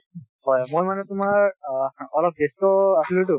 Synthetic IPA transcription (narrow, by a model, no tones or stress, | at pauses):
hɔjamojmanɛt̪ʊmaɹɔlɔp̚ɡestɔasilot̬u